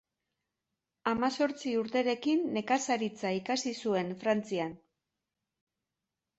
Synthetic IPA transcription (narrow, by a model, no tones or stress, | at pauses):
amaso̞ɾt͡siuɾt̪e̞ɾe̞kinːe̞kasaɾit͡saikasisue̞nfɾant͡sian